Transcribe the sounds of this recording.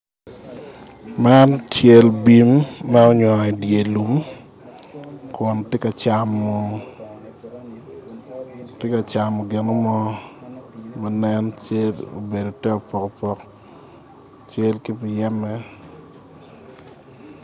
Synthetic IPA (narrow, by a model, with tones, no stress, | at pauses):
ma˦nt͡ʃe˦lbi˨˦mːɛ˦ɔ˦ɲwɔ˨i˨dje˨lu˨m | kʰɔ˨ntɪ˦ka˨t͡ʃa˨mɔ˨ | te˦ka˨t͡ʃa˨mo˨ɡɪ˨no˦mɔ˦ | ma˦nɛ˦nt͡ʃe˦lo̰˨be˨do˨tɛ˦o˨pɔ˨ko˨pɔ˦k | t͡ʃe˦lkɪ˦pɪ˨jɛ˦mɛ˦